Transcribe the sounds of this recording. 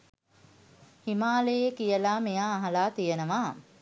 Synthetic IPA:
himaːlejekijəlaːmejaːɦalaːt̪ijənəʋaː

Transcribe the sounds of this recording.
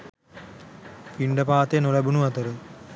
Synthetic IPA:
piɳɖəpaːt̪enolɛbunuɐt̪əɾə

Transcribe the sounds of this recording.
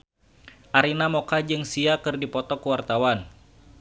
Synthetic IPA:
ʔaɾinamɔkad͡ʒɨŋsiakɨrdipɔt̪ɔkuwart̪awan

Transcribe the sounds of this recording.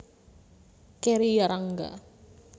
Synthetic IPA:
keɾijaɾaŋɡa̰

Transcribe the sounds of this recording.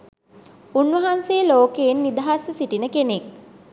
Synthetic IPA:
unʋɐɦansejəloːkeːnːid̪aɦasəsiʈinəkenek̚

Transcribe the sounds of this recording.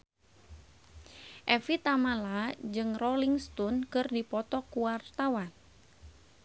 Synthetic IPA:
ʔɛfit̪amalad͡ʒɨŋrɔliŋst̪unkɨrdipɔt̪ɔkuwart̪awan

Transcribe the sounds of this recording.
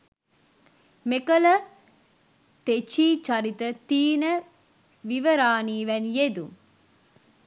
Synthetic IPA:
mekɐlɐ | t̪et͡ʃiːt͡ʃɐɾit̪ət̪iːnɐ | ʋiʋɐɾaːniːʋɛnjed̪u

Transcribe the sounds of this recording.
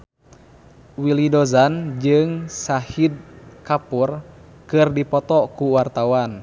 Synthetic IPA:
wilidɔzand͡ʒɨŋsahid̚kapur | kɨrdipɔt̪ɔkuwart̪awan

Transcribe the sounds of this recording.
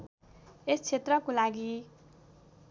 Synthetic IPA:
est͡sʰet̪rʌkolaɡi

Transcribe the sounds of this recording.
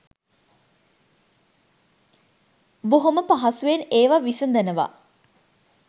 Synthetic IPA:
boɦoməpaɦasueneːʋaʋisənd̪ænəʋa̰

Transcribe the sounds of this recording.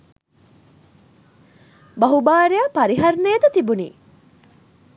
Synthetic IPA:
bɐɦubaːɾejapɐɾiɦɐɾneːd̪ɐt̪ibunḭː

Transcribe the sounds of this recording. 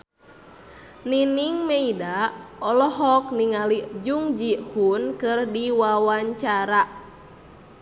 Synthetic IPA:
niniŋmeidaɔlɔɦɔk̚niŋalid͡ʒuŋd͡ʒihunkɨrdiwawaɲt͡ʃaɾa

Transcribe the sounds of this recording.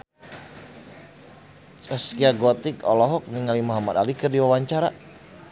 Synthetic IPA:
saskiaɡɔt̪ɪkɔlɔɦɔk̚niŋalimɔɦamad̪alikərdiwawaɲt͡ʃaɾa

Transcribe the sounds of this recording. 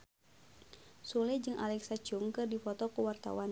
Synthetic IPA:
sulɛd͡ʒɨŋʔa̰lɛksat͡ʃumkɨrdifɔt̪ɔkuwart̪a̰wan

